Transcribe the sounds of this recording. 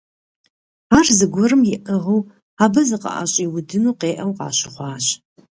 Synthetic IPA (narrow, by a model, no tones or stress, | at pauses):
aːrzɨɡʷɔɾɨmjɪʔəʁɐw | aːbɐzɨqʼɐ̰ʔa̰ɕʼiwʊdɨnuːqeːʔɐwqɑ̰ːɕɨχʷɑːɕ